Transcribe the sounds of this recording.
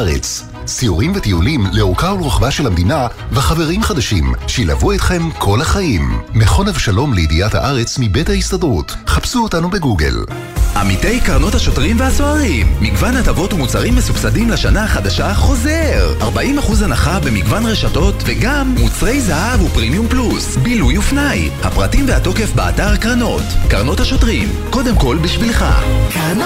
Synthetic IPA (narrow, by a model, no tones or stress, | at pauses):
ʁḛt͡s | siuʁimvet̪iulimleukaulʁaχvaʃelhamd̪inavaχave̞ʁimχad̪aʃimʃejila̰vuet̪χe̞mkʰo̞laχaʔimːeχo̞navʃalo̞mlejid̪ijatha̰ʔaʁe̞t͡smibethaist̪adʁut | χapsuotanube̞ɡuɡḛl | ʔamite̞jkaʁno̞thaʃo̞tʁimvehaso̞aʁimːiɡvanhatavo̞tumut͡saʁimːesubsadimlaʃanaaχadaʃaχo̞zeʁaʁbaʔimaχuzhanaχabe̞miɡvanʁe̞ʃato̞tveɡamːut͡sʁe̞jzahavupʁimjumplusbilujufnajha̰pʁatimvehato̞ke̞fbea̰taʁkʁano̞tkaʁno̞thaʃo̞tʁim | ko̞demko̞lbiʃvilχa̰